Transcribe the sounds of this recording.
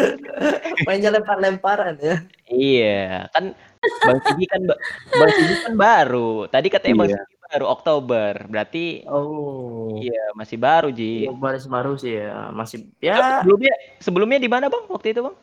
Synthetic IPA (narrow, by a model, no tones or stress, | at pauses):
paɲalɛmpaɾlɛmpaɾanja | ijakan | basiɡikanbbasiɡikanbaɾut̪adikat̪aemaŋsəɡibaɾuok̚t̪obərbəɾat̪io | ijamasɪhbaɾud͡ʒibaɾɪs̬baɾusɪha̰masɪjaəbəlʊmɲa | səbəlʊmɲadimanabaŋwak̚t̪uit̪ubaŋ